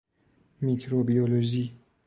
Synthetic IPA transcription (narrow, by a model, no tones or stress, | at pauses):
micʰɾobiolod͡ʒi